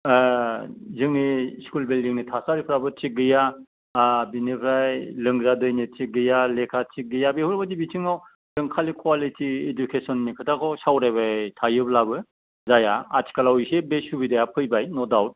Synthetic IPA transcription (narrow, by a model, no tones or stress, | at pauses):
zɯŋniskulbeldiŋnitʰasaɾipʰɾabɯt͡ʃiɡɯja | binipʰɾajlɯŋɡzadɯjnitiɡɯjalekʰat͡ʃik̚ɡɯjabehuɾbadibitʰiŋaw | lɯŋkʰalikʰwalitʰiedukʰesɔnːikʰɯtʰakʰɔsawɾajβatʰajɯblabɯ | zajaatʰi̥kalawjsebesubidajapʰɯjbajnɔdawt̚